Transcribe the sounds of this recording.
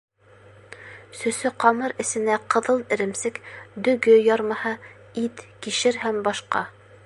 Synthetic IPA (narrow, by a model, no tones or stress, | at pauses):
sɵ̆sɵqɑmɤɾɘ̆sɘ̆næqɤ̆ðɤlˠɘ̆ɾɘ̆msɘkd̪ɵ̆ɡɵjɑɾmɑhɑ | it̪kiʃɘɾhæmbɑʃqɑ̰